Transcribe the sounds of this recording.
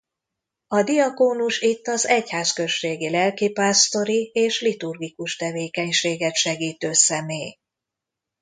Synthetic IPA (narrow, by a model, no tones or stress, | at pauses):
ɒd̪iɒkoːnuʃit̪ːɒzɛchaːskø̞ʃːeːɡilɛlkipaːst̪o̞ɾieːʃlit̪urɡikuʃt̪ɛveːkɛɲʃeːɡɛt̪ʃɛɡiːt̪øːsɛmeːj